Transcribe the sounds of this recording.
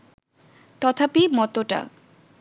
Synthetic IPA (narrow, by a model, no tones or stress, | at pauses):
t̪ɔt̪ʰapimɔt̪oʈa̰